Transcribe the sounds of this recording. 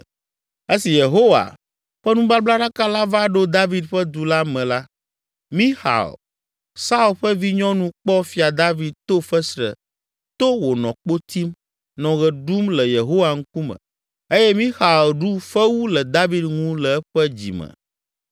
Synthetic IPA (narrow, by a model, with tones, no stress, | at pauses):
e˦si˨je˨ɦo˦wa̰˨ | ɸɛ˦nũ˦ba˦bla˦ɖa˦ka˦la˦va˦ɖo˦d̪a˦vi˨d̪ɸɛ˦d̪u˨la˦mɛ̃˨la˦ | mĩ˦xa̰˨l | sa˦u˨lɸɛ˦vi˦ɲɔ̃˦nũ˦k͡pɔ˦fi˨a˨d̪a˦vi˨d̪̚t̪o˦fɛ˦sɾɛ̰˨ | t̪o˦wo˨nɔ̰̃˨k͡po˦t̪i˦m | nɔ̃˨ɣɛ˨ɖu˦mlɛ˨je˨ɦo˦wa˨ŋ̩˦ku˦mɛ̰̃˨ | e˦jɛ˦mĩ˦xa˨lɖu˦ɸɛ˦wu˦lɛ˨d̪a˦vi˦d̪ŋũ˦lɛ˨˦ɸɛ˦d͡ʑḭ˨mɛ̰̃˨